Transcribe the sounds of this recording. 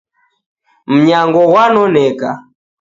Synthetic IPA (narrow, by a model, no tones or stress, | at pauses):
m̩ɲaŋɡɔɣwanɔnɛka